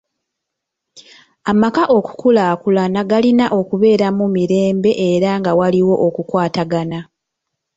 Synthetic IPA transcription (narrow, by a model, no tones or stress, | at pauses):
amakaʔo̞ku̥kulaːkulanaɡalinaʔo̞kuβe̞ːɾamumiɾe̞ːmbe̞ʔeɾaŋɡawaliwo̞ʔokukwaːtaɡana